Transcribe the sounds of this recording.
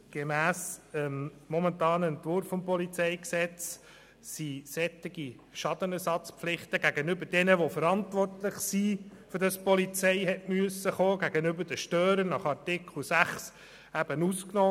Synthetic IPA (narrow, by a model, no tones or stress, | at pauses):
ɡ̥emæːsəmmɔmɛntɑːnəɛntʋʊɾfːɔmpɔlit͡sɛɪksɛt͡s | sisɛt̪ːɪɡ̥i | ʃɑd̥̪ənɛɾsɑt͡spflɪχt̪əɡ̥æɡənʏbəd̥ɛnəʋofəɾɑntʋɔrtlɪχsifʏɾdɑspɔlit͡sɛɪɦɛtmyəsːəχoːɡ̥æɡ̥ənʏbəd̥əʃtøːɾənɑχɑrtɪkχl̩sæχs | æb̥ənusknɔː